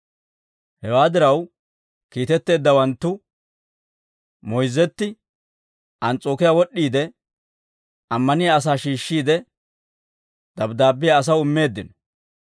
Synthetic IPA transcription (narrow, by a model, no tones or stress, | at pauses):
hɛwaːd̪ɪɾɐw | kiːt̪ɛt̪ːe̞ːd̪ːɐwɐnt̪ːʊ | mɔjzːɛt̪ːɪ | ʔɐnt͡sʼo̞ːkɪjaːwɔɗːiːd̪ɛ | ɐmːɐnɪjaɐs̬aːʃiːʃːiːd̪ɛ | d̪ɐbd̪aːbːɪjaːs̬ɐwʊmːe̞ːd̪ːɪn